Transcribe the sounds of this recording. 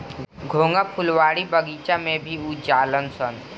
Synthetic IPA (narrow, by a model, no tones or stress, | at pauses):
ɡʱõːŋɡapʰʊlʋaːɽibəɡiːt͡ʃamẽbʱiud͡ʒaːlənsən